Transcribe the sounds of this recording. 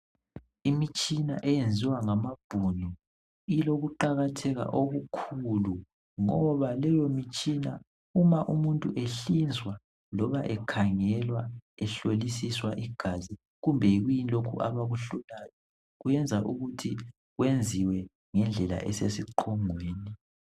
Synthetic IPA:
imit͡ʃʼina̰ʔɛjend͡zʱiwaŋamab̥ʱunɔ | iloɣuǃaɣatʰɛɣa̰ʔoɣukʰulu | ŋɔβalɛjomit͡ʃʼina̰ | umaʔumuntʼuʔeɬind͡zwa | lɔβaʔɛkʰaŋɛlwaɛɬolisiswaʔiɡ̥ʱazi | ɣumbʱɛiɣujinilokʰṵʔa̰βaɣuɬulajɔ | ɣujɛnd͡zʱaʔuɣutʰi | ɣwend͡zʱiwɛ | ŋɛnd͡ɮʱɛla̰ʔɛ̰sesiǃʰɔŋweːni

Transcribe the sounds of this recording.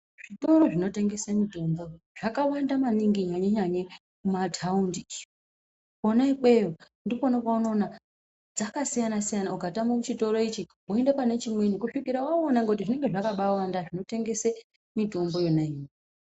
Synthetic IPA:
ʐ̥ito̞ɾo̞ʐino̞te̞ŋɡe̞semito̞mbo̞ | ʐ̥akawandamaniŋɡiɲaɲeɲaɲe | kumatʰaundi | konaike̞jo | ndikonakwauno̞ːna | d͡zakasijanasijanauɡʱatamout͡ʃito̞ɾo̞it͡ʃiɦoendepane̞t͡ʃimwe̞nikuʂikiɾawaonaŋɡeutiʐine̞ŋɡeʐakaɓawandaʐino̞te̞ŋɡe̞se | mito̞mbo̞jo̞naiɲe

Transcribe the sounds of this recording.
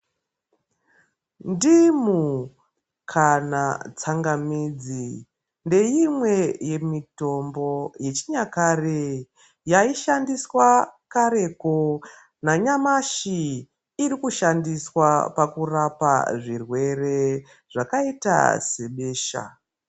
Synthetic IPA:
ndimu | kʰanat͡saŋɡamiːd͡zi | nde̞jimwe̞je̞mito̞mbo̞je̞t͡ʃiɲakare | jaiʃandiswakaɾe̞ko | naɲamaʃiː | ɾikuʃandiswapakurapa̰ʐirwe̞re̞ | ʐ̥akaita̰se̞ɓeːʃa̰

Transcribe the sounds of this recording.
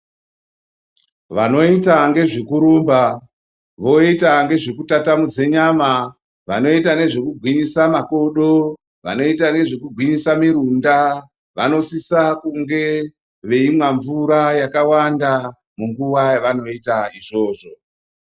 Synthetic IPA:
ʋano̞itaŋɡe̞ʐikuɾuːmba | ʋo̞itaŋɡe̞ʐekutatamud͡ze̞ɲama | ʋano̞itane̞ʐekuɡʱwiɲisamako̞ɗo̞ | ʋa̰no̞itane̞ʐekuɡʱwiɲisamiɾunda | ʋano̞sisakuŋɡe̞ | ʋe̞imwaɱvuɾajakawanda | muŋɡuwaʋano̞itaiʐo̞ːʐo̞

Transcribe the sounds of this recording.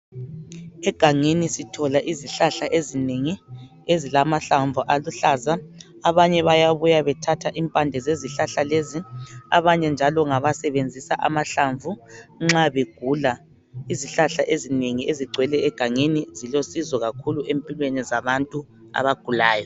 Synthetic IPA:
ɛɡ̥ʱaŋenisitʰɔlaʔiziɬaɬaʔezineŋi | ezilamaɬaɱvʱuʔaluɬaːzaː | βaɲɛβajaβujaβɛtʰatʰaʔimpʼandʱɛzeziɬaɬaleziaβaɲɛnd͡ʒʱalɔŋaβasɛβend͡zʱisaʔamaɬaɱvʱuŋ͡ǁaβeɡ̥ʱula | iziɬaɬaʔezineŋieziɡ͡ǀʱwɛlɛːɡ̥ʱaŋenizilosizɔɣakʰuluempʼilwenizaβantʼu | a̰βaɡ̥ʱulaːjɔ

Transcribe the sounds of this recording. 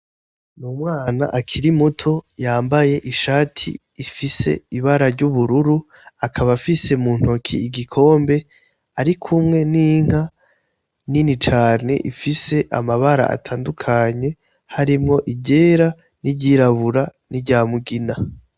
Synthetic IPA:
nuːmŋaːna̰ʔakʰiɾimutʰo̞jaːmbaje̞ʔiʃaːtʰḭːfise̞̰iβaɾaɾɟuβuɾuɾu | akʰaβafise̞muːn̥ho̞kʰḭiɡikʰo̞ːmbe̞ | aɾikʰumŋe̞niŋ̥a | ninit͡ʃaːne̞̰ʔifise̞ʔa̰maβaɾa̰a̰tʰaːndukʰaɲe̞ | haɾimŋo̞ʔiɟe̞ːɾa | niɟiɾaβuɾaniɟaːmuɡina

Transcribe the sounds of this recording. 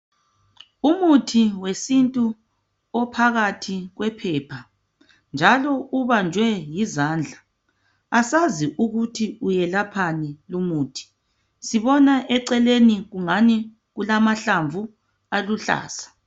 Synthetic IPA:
umutʰiwesintʼu | ɔpʰaɣatʰiɣwɛpʰɛːpʰa | nd͡ʒʱalɔuβand͡ʒʱwɛjizaːnd͡ɮʱa | asaziʔuɣutʰiujɛlapʰanilumuːtʰi̥ | siβɔnaʔɛǀɛleniɣuŋani | ɣulamaɬaɱvu | aluɬa̰ːsḁ

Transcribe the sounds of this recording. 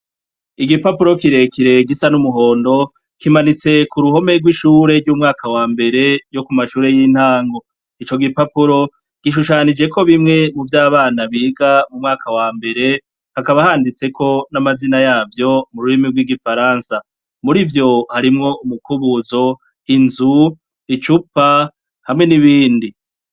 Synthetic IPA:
iɡipapuɾo̞kiɾe̞kiɾe̞ɡisanumuɦo̞ːndo̞ | kimanit͡se̞kuɾuɦo̞me̞ɾɡwiʃuːɾe̞ɾɟuːmŋaːkʰawaːmbe̞ɾe̞jo̞kumaʃuːɾe̞jin̥haːŋɡo̞ | it͡ʃo̞ɡipapuɾo̞ | ɡ̥iʃ̬uʃaːnid͡ʒe̞ko̞βimŋe̞muvjaːβaːnaβiːɡamumŋaːkʰawaːmbe̞ɾe̞ | hakaβahaːndit͡se̞kʰo̞namazinajaːvjo̞muɾuɾimiɾɡwiɡifaɾaːnsa | muɾivjo̞haɾimŋo̞umukuβuzo̞ | inzu | it͡ʃupa | hamŋe̞niβiːndi

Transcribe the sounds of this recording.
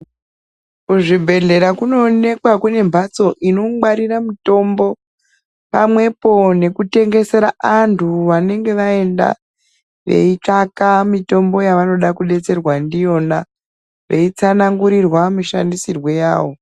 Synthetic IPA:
kuʐibʱe̞ɮe̞ɾakuno̞ne̞kwakune̞mbʱat͡so̞ʔino̞waɾiramito̞mbo̞ | pamwe̞po̞ne̞kute̞ŋɡe̞se̞ɾaʔantʰuʋane̞ŋɡe̞ʋae̞nda̰ | ʋe̞̰it͡ʂakamito̞mbo̞jaʋano̞ɗakuɗe̞t͡se̞rwandijo̞na | ʋe̞it͡sanaŋɡuɾirwamiʃandisirwe̞jaːʋo̞

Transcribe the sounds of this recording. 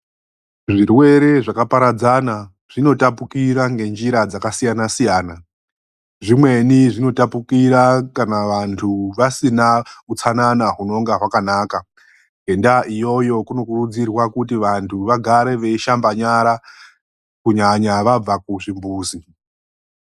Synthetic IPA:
ʐirwe̞ɾe̞ʐakapaɾad͡zana | ʐ̥ino̞tapukiɾaŋɡe̞nd͡ʒiɾad͡zakasijanasijaːna | ʐimwe̞niʐino̞tapukiɾakanaʋantʰuʋasinaut͡sananaɦuno̞ŋɡaɦwakanaːka | e̞ndaʔijo̞jo̞kuno̞kurud͡zirwakutiʋantʰuʋaɡʱaɾe̞ʋe̞iʃambaɲaɾa | kuɲaɲaʋab͡vak̚uʐimbuːsi

